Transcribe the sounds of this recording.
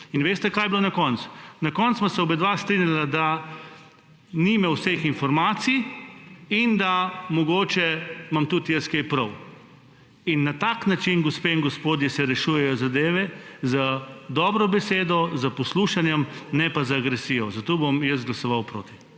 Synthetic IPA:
inʋeːst̪ɛkaːjblonakɔnt̪su̥nakɔnt̪smasɛɔbed̪ʋast̪ɾinjalad̪a | nimɛwsexinfɔɾmaːt̪si | ind̪amɔɡoːt͡ʃɛmamt̪ut̪jəskejpɾɔw | inːat̪aːknat͡ʃinɡɔspeːiŋɡɔspoːd̪jɛsɛɾɛʃuːjɛjɔzad̪eːʋɛzad̪ɔːbɾɔbɛseːd̪ɔzapɔsluːʃanjɛmnɛpazaːɡɾɛsijɔzat̪oːbomjəs̬t̪ɡlɐsɔʋawpɾoːt̪i̥

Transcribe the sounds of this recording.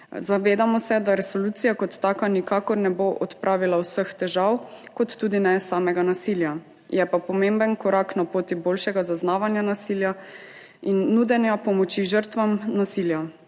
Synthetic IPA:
zaʋeːd̪amɔsɛd̪aɾɛsɔlut̪sijakɔt̪ːaːkanikaːkɔɾnɛboʔɔt̪pɾʔaːʋilawsəxt̪ɛʒawkɔt̪ːuːd̪inɛsaːmɛɡanasilja | jɛpapɔmembənkɔɾaːknapoːt̪iboːlʃɛɡazaznaːʋanjanasilja | inːuːd̪ɛnjapɔmɔt͡ʃiʒəɾt̪ʋamnasilja

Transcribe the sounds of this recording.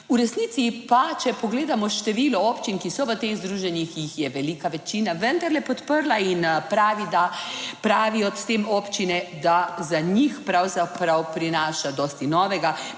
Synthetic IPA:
uɾɛsniːt̪sipat͡ʃɛpɔɡleːd̪amɔʃt̪ɛʋilɔɔːpt͡ʃinkisɔʋət̪eɣzd̪ɾuːʒɛnixjixjɛʋɛlikaʋɛt͡ʃiːnaʋənd̪aɾlɛpɔt̪pəɾlainpɾaːʋid̪apɾaːʋiɔt̪t̪emɔːpt͡ʃinɛd̪azaɲixpɾawzapɾawpɾinaːʃad̪ɔːst̪inɔːʋɛɡa

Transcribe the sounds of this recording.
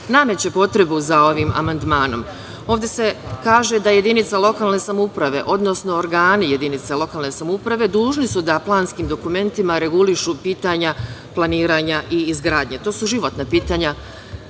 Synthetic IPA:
name̞t͡ɕe̞po̞t̪ɾe̞buzao̞ʋiːmʔa̰mand̪maːno̞̰m | o̞ːʋd̪ʲe̞se̞kaːʒe̞d̪aje̞d̪init̪salˠo̞kaːlˠne̞samupɾaʋe̞̰ʔo̞d̪no̞sno̞ːɾɡaːnije̞d̪init̪salˠo̞kaːlˠne̞samupɾaʋe̞d̪uːʒnisud̪aplˠaːnskiːmd̪o̞kume̞nt̪imaɾe̞ɡuliʃupiːt̪aɲaplˠaniːɾaɲaʔiːzɡɾaːd̪ɲe̞t̪o̞ːsuʒiʋo̞t̪napiːt̪aːɲa

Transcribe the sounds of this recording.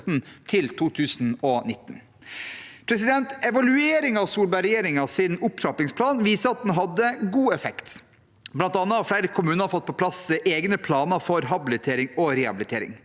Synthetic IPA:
t̪n̩t̪ʰɪlt̪ʰuːt̪ʰʉːsn̩ɔnɪt̪ːn̩ | pʰɾɛs̬ɪd̪ɛnt̪ɛʋɑlʉeːɾɪŋɑʋsuːlbɑɪɾɛjeːɾɪŋɑsɪnʊpt̪ʰɾɑpɪŋspʰlɑːnʋiːsəɑt̪̚d̪ɛnɦɑd̪ːəɡuːɛfɛkt̪ | blɑnt̪ɑnːəɑʋfleɪɾəkʰʊmʉːnəɑɾfɔt̪̚ːpʰɔpʰlɑsʔeːɡnəpʰlɑːnəfɔɾɦɑbɪlɪt̪ʰeːɾɪŋɔɾɛɑ̰bɪlɪt̪ʰeːɾɪ̰ŋ

